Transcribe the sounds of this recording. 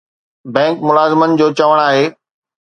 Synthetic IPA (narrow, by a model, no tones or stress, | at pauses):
bɛ̃ːŋkmʊlaːzɪmənɪ̆d͡ʑoːt͡ɕɐʋəɽ̃aːɦeː